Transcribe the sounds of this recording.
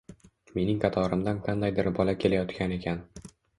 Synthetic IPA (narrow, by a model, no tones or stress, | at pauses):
me̞nɪŋqʰɑt̪ʰɒɾɪmd̪anqʰɑnd̪ajd̪ɪɾbɒlakʲʰe̞lajɒt̪kʲane̞kʲʰan